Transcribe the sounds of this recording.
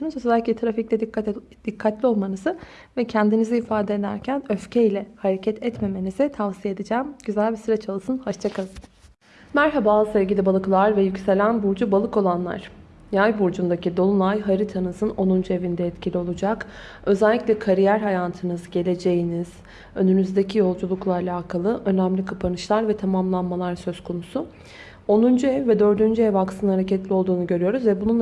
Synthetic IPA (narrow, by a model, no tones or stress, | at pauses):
nɯt͡ʃozzɛælʲːiclʲɛt̪ɾaficlʲɛd̪i | d̪̥ikʰːat̪lʲio̞lˠmanɯzɯ | vɛcʰɛnd̪iniziiːfaːd̪ed̪æ̰ɾcʰænø̞fcʰejlʲɛhaɾecʰɛt̪ʰɛt̪me̞me̞nizɛt̪ʰavsijed̪id͡ʒæːmɟyzælʲbisyɾɛt͡ʃʰalˠɯsɯnhaʃt͡ʃʰakʰalˠ | mæɾɦabaːzɯsɛvɟilʲibalˠɯklˠaɾvɛjycse̞lʲænbuɾd͡ʒubalˠɯko̞lˠanlˠa̰ɾ̥ | jajbuɾd͡ʒund̪acid̪o̞lˠunˠajɦaɾit̪ʰanɯzɯno̞nund͡ʒuevind̪ɛɛt̪cʰilʲio̞lˠud͡ʒak | ø̞zælʲːicʲlʲɛkʰaɾijæɾɦajaːt̪ʰɯnɯzɟe̞lʲe̞d͡ʒe̞jiniz̥ | ø̞̰nynyzd̪ecʰijo̞lˠd͡ʒulˠuklˠaːlʲaːkʰalˠɯʔø̞næmlʲikʰapʰanɯʃlˠaɾvɛt̪ʰamamlˠanmalˠaɾsø̞zkʰo̞nusu | o̞nund͡ʒuɛvːɛd̪ø̞ɾd̪ynd͡ʒyɛvaksɯnhaɾecʰɛt̪lʲio̞lˠd̪uːnuɟø̞ɾyjo̞ɾuzvɛbunun